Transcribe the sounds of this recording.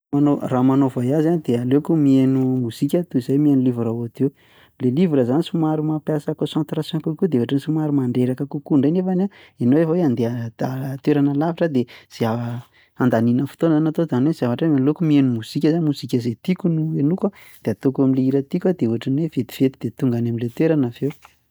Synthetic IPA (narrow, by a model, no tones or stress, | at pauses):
anoramanovajazand̪ealekumienumuzikʲət̪uizajmienulivuɾauat̪ew | lelivuɾəzanisumaɾumapjasakosãnt̪rasɛ̃pukud̪eeaʈ͡ʂansumaɾumaɳɖ͡ʐeɾakəkukuɳɖ͡ʐenefana | enowefaweand̪ead̪at̪weɾanəlavaʈ͡ʂəd̪ez̥ia | and̪aninəfu̥t̪onanat̪od̪anwezavaʈ͡ʂeanlokumienumuzikʲəzanimuzikʲəzet̪ikʲunuenukwad̪̥eat̪okamileiɾət̪ikʲwad̪euvaʈ͡ʂanwevet̪i̥v̥et̪id̪et̪uŋɡanaminlet̪weɾanavew